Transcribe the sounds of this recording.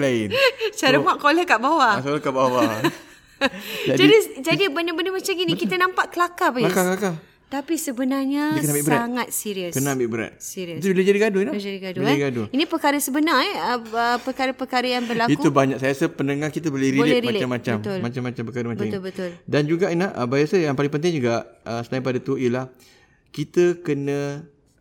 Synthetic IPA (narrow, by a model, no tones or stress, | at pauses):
laɪnt͡ʃaɾamaʔkoləkaʔbawaaoləkaʔbawa | d͡ʒad͡ʒaidid͡ʒadibəndəbəndəmat͡ʃaminikit̪ənãmpaʔkəlakabalakaklaka | t̪apisəbənarɲəkambibəaaŋat̪̚siɾiəskənãambɪʔbəɾa̰t̪̚siɾiət̪̬ubiləd͡ʒadiɡadʊilad͡ʒadiɡadʊliɡadʊinipəkaɾəsəbənaɛəəpəkaɾəpəkaɾəjaŋbərlakiuubaɲaksajasəpəndəŋakit̪̬əbolɪɾilɪɾimalt͡ʃamːãt͡ʃamʊlmat͡ʃamat͡ʃampəkaɾəmaaminbətt̪ʊldand͡ʒuɡaʔinaʔəbajasajaŋpalɪŋpənt̪̬ɪŋd͡ʒuɡaʔəsənaip̬adat̪uiəlah | kit̪əkənə̃